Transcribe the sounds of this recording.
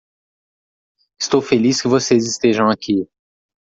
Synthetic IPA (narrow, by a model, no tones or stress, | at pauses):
ɪst̪owfeliskɪvosezɪst̪eʒɐ̃w̃akʰi